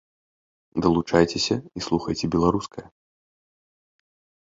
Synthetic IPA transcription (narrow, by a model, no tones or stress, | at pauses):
d̪ɐlˠut͡ʂajt͡sʲesʲɐislˠuxɐjt͡sʲɛbʲɛlˠaɾuskʰɐjɐ